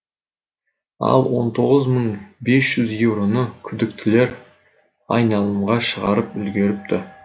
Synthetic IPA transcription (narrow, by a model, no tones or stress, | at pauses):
ɑ̰lˠwo̞nt̪ʰo̞ʁəzməɴbe̞sʒ̥ʏzjewɾo̞nəkʲʰʏd̪ɪk̚t̪ʰɪle̞ɾ | ɑjnɑlˠəmʁɑʃəʁɑɾəpʏlɡʲe̞ɾɪp̚t̪ɪ